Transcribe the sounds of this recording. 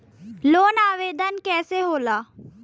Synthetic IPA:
loːnaːʋeːd̪ʱənkɛːseɦoːlaː

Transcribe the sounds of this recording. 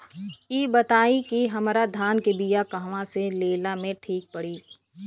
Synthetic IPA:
iːbɐt̪aːikiɦɐmɾad̪ʱaːnkebijakɐɦʋãseleːlamẽʈʰiːk̚pɐɽiː

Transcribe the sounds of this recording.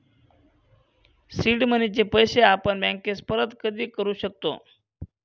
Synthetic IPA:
siɖmənit͡ɕepəjseapəɳbɛ̃ŋkespəɾət̪kəd̪iːkəɾuɕək̚t̪o̰

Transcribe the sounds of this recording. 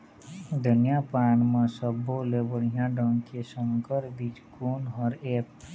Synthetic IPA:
d̪ʱənjapaːɳmẽsəbːolebəɽ̤ijãɖʱə̃ŋkesə̃ŋkəɾbid͡ʒkuːnɔːɾeːp

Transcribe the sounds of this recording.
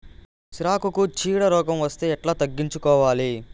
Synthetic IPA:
ʃɾaːkukut͡ʃiːɽɐɾɔːkɐmʋɐst̪e̞ːɛʈlaːt̪ɐɡːiɲt͡ʃukɔːʋaːli

